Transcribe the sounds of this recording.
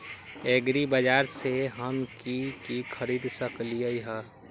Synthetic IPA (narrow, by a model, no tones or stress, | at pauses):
eɡɾibəd͡ʒaːɾseɦəmkikikʰəɾiːd̪səkliəiɦɛ